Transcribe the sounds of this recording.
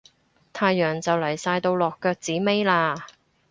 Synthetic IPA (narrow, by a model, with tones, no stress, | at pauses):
t̪ʰaː˧jːœː˨˩ŋt͡sɐ˨wlɐ˨˩jsaː˧jt̪o˧wlɔː˨kːœː˧k̚t͡siː˨˥me˥jlaː˧